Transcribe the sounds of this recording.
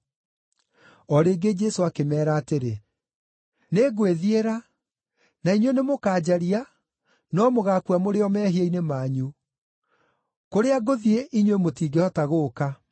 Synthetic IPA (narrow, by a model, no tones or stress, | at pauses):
ɔɾeːɡed͡ʒɛsoakemɛːɾaːteɾe | neːɡweðieɾa | naiɲwenemokaːd͡ʑaɾia | nɔmoɣaːkuamoɾeɔmɛːɦieinemaːɲu | koɾeaɡoðieʔiɲwemotiːɡehɔtaɣoːka